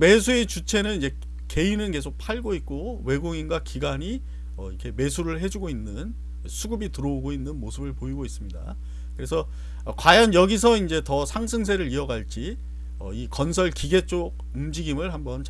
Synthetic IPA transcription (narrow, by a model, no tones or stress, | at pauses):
me̞s̬ʰue̞t͡ɕut͡ɕʰe̞nɯnid͡ʑe̞ | ke̞inɯnke̞sʰok̚pʰaɭɡoit̚k͈o | we̞ɡoŋinɡwakiɡaɲi | ʌ̰ikʰe̞me̞sʰuɾɯɭɦe̞d͡ʑuɡoinːɯn | sʰuɡɯbitɯɾʌoɡoinːɯnmosʰɯbɯɭpoiɡois͈ɯmɲida̰ | kɯɾe̞sʰʌ | kwajʌnjʌɡis̬ʰʌind͡ʑe̞tʌsʰaŋsʰɯŋsʰe̞ɾɯɾiʌɡaɭt͡ɕ͈i | ʌ̰ikʌnsʰʌɭkiɡe̞t͡ɕ͈oɡ̚ | umd͡ʑiɡimɯɭhambʌnt͡ɕ